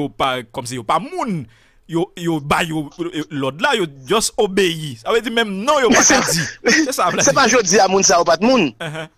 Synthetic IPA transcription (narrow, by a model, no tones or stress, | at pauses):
opakɔms̬ijopamũn | jojobajolɔd̪lajod͡ʒɔsobejisabed͡zimɛ̃mnɔ̃joasɛd͡zisɛsalasɛpaʒod͡ziamũns̬ajopat̪̚mũñɦɛ̃